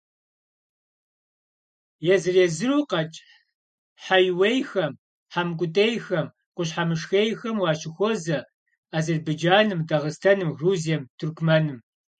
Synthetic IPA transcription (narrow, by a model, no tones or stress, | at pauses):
jɛzɨreːzɨruːqɐt͡ʃʼ | ħajwejxɐm | ħamkʷʼʊtʼejxɐm | qʷʊɕħamɨʂxejxɐmwɑːɕɪxʷɔzɐ | aːzɐrbed͡ʒaːnɨmdɐʁəstʰɐnɨmruːziɛmtʰʊrkʷʰmɐnɨm